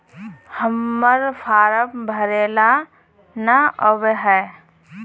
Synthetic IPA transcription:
həmːəɾpʰaːɾəpbʱəɾeːla | naəbɦɛː

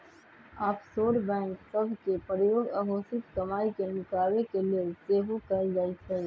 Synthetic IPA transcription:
aːpsoːɾbɛ̃ːŋksɐbʱkepɾjoːɡɐɦoːsɪt̪kɐmaːikenʊkaːwekelieseːɦokɐd͡ʒaːit̪ʰɛ

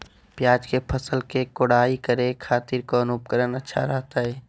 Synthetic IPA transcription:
pjaːd͡ʒkepʰəsəlkekoɽaːikəɾekʰaːt̪ɪɾkonʊp̚kəɾənətːʃʰa̰ɾɛɦt̪aɦɛː

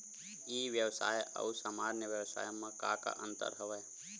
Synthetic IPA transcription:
iːʋjəwsa̰ːjə̰usaːmaːɾnjəʋjəwsa̰ːjmẽkaːka̰ʔə̃nt̪ə̰ɾɦəʋɛː

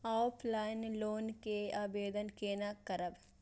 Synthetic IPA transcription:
aːpʰlaːɪnloːnkeaːbeːd̪ənkeːnakɐɾəb

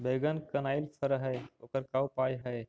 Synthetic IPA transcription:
beːɡənkənaːilsʰəɾɦəjoːkəɾkawpaːjɦəj

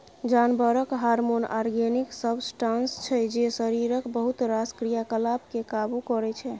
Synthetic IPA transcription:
d͡ʒanbəɾəkɦaɾmonʔa̰ɾɡeniksəbsʈanst͡ʃʰɛd͡ʒesəɾiɾəkbəɦut̪ɾaskɾijakəlabkekabukɔɾɛt͡ʃʰɛ

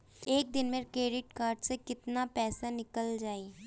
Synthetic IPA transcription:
eːk̚d̪ɪnmẽkɾeːɖɪʈkaːɾɖsẽkɪt̪napɛːsanɪkəld͡ʒaːiː

